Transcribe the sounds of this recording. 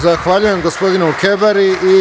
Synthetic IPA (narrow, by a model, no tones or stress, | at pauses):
zaxʋaʎujemɡo̞spo̞d̪inuukʰebaɾii